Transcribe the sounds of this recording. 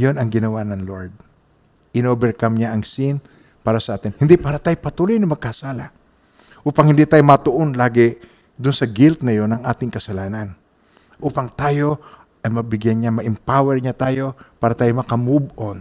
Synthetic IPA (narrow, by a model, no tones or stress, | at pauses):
jonɐŋɡɪnɐwanɐŋloɹd̪̚ | ʔɪnoːbɛɹkamɲaʔɐŋsin | paːɾɐsɐʔaːt̪ɪnhɪnd̪ipaːɾɐt̪aːjopɐt̪uːlojnɐmɐɡ̚kɐsaːla | ʔuːpɐŋhɪnd̪iːt̪aːjomɐt̪ʊʔonlaːɡɪ | d̪ʊnsɐɡɪlt̪nɐjo̞nɐŋʔaːt̪ɪŋkɐsɐlaːnɐn | ʔuːpɐŋt̪aːjo̞ | ʔɐjmɐbɪɡjanɲamɐʔɪmpawɛɹɲat̪aːjo̞paːɾɐt̪aːjomɐkɐmub̚ʔon